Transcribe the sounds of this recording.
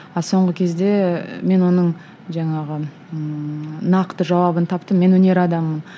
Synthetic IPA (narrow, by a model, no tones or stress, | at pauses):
ɑso̞ɴʁəkʲʰe̞zd̪e̞me̞nwo̞nəɴ | ʒɑɴɑʁə | nɑqt̪əʒɑwɑbənt̪ʰɑpt̪əmːe̞nwɵne̞ɾɑd̪ɑmːən